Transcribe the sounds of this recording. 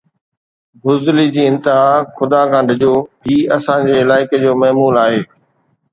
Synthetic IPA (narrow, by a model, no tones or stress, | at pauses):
ɡʊzlid͡ʑiːɪ̃nt̪ɪɦaːxʊd̪aːkãɳɖɪd͡ʑoːɦiːɐsãːd͡ʑeːɪlaːɪked͡ʑoːmɐɦmuːlaːɦeː